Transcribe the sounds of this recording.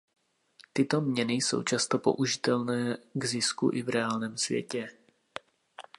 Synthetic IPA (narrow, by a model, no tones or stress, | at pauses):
t̪ɪt̪o̞mɲɛnɪso̞̰wt͡ʃast̪o̞po̞̰ʔuʒɪt̪ɛlnɛːɡzɪskṵʔɪvɾɛaːlnɛːmsvjɛ̰cɛ